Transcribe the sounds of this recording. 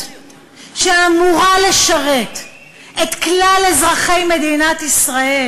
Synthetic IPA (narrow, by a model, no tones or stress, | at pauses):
ʃeamuʁale̞ʃaʁe̞t̪ | et̪klalezʁaχe̞jme̞d̪inat̪isʁae